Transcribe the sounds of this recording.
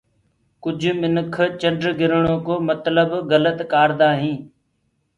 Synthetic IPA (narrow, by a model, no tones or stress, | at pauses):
kʊd͡ʒʱmɪnəkʰt͡ʃəɳɖɾɡɪɾɳõːkoːmət̪ləbɡələt̪kaːɾd̪aːɦĩː